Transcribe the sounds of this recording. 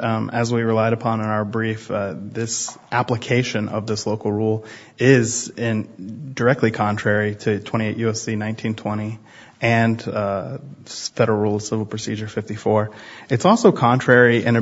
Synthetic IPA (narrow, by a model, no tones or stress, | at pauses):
ɨzwiɹɨlaɪɾɨpʰɑ̃nə̃naʊə˞bɹifðɪsʔæpləkʰeɪʃɨ̃nʌ̰vðɪsloʊkl̩ˠɹulˠ | ɪzɪ̃ndə˞ɛk̚tˡlikʰɑ̃ntʰɹ̥ɛɹiɾɨtʰw̥ɛ̃ɾ̃ieɪʔjʉɛsinãɪ̃ntʰĩntʰw̥ɛ̃ɾ̃i | ʔɨ̃n | fɛɾə˞l̩ˠɹulˠʌ̥sɪvl̩ˠpʰɹ̥ɨsid͡ʒə˞fɪftifɔɹɨtsɔlˠsoʊkʰɑ̃ntʰɹ̥ɛɹiʔɨ̃nɨ